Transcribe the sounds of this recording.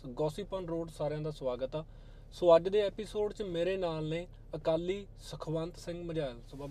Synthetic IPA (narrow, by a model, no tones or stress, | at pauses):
ɡɔːsiːpənɾoːɖsaːɾɪjãːd̪aːsʋaːɡət̪aː | soːəd͡ʒd̪eːɛːpisoːɖt͡ʃmeːɾeːnaːlnẽː | əkaːlːiː | səkʰʋənt̪sɪ̃ŋɡməd͡ʒaːlsəbaː